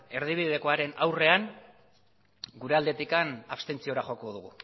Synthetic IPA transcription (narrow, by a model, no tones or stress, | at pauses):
e̞ɾð̞iβ̞iðe̞ko̞aɾe̞nawre̞an | ɡuɾe̞ald̪e̞t̪ikanaβst̪e̞nt͡sio̞ɾaʝo̞ko̞ðuɣu